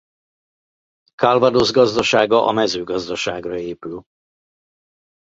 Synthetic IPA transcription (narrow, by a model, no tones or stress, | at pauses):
kɒlvɒd̪ozɡɒzd̪ɒʃaːɡɒʔɒ̰mɛzøːɡɒzd̪ɒʃaːɡrɒeːpyl